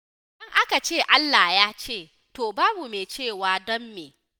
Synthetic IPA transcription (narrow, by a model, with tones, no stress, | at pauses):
dɔ˦ŋʔa˦ka˨t͡ʃeː˦˨ʔa˦lːaː˨jaː˦t͡ʃeː˦˨ | toː˨baː˦bu˨meː˨t͡ʃeː˦˨waː˨dɔ˦mːeː˨